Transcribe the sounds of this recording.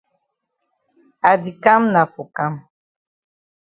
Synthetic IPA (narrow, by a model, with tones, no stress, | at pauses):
a˨di˨ka˦mna˨fo˨ka˦m